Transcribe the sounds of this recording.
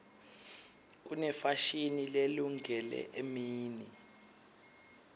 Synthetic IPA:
k̬unɛfaʃinileluŋʱɛlɛ̰ʔemiːni

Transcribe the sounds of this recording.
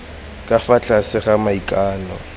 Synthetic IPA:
kʼafat͡ɬʼasɪχamaikʼaːnɔ

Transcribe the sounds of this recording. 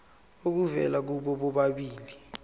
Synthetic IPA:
ok̬uvɛ̰lak̬uɓɔɓɔɓaɓiːli

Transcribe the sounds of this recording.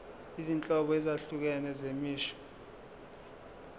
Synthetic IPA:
izint͡ɬʼɔɓɔɛzaɬuk̬ɛnɛzemiːʃɔ̥

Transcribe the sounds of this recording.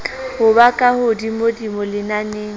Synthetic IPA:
hʊbakʼahʊdimodimolɪnaneːŋ̩

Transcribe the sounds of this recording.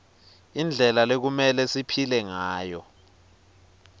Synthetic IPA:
ind͡ɮʱɛlalek̬umɛlɛsipʰilɛŋaːjɔ

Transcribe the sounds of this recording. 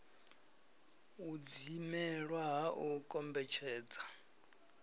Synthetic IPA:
ud͡zimɛɺwaɦaʔukʼɔmbɛt͡ʃʰɛːd͡za

